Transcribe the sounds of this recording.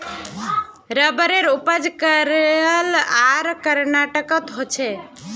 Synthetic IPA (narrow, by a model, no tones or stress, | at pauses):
ɾəbəɾeɾupəd͡ʒkəɾelaɾkəɾnaʈəkət̪ɦot͡ʃʰɛ